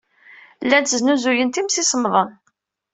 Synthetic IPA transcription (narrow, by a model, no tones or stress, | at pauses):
lːænt̪əznuzujənt̪imsisəmðˤən